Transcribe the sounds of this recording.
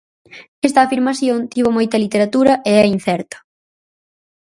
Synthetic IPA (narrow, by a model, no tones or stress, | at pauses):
ɛst̪ɐːfiɾmaθjont̪iβ̞omojt̪ɐlit̪eɾat̪uɾɐʔeɛin̟θɛɾt̪ɐ̥